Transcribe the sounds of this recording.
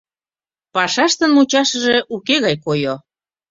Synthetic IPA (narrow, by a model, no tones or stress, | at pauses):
pɑʃɑʃt̪ənmut͡ɕɑʃəʒeʔukeɣɑjkojo